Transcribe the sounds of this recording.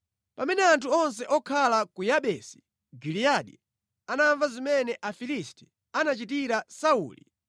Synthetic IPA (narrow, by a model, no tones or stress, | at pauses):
pamɛnɛantʰuɔns̬ɛʔɔkʰalakujaɓɛsi̥ | ɡiliaɗḭ | anaɱvazimɛnɛʔafilisti̥ | anat͡ʃitiɾasaṵːlḭ